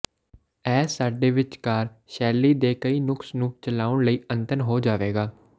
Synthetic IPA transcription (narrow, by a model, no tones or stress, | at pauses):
ɛːsaːɖeːʋɪt͡ʃkaːɾ | ʃɛːlːiːd̪eːkəiːnʊksnũːt͡ʃəlaːʊɳləiːənt̪ənɦoːd͡ʒaːʋeːɡaː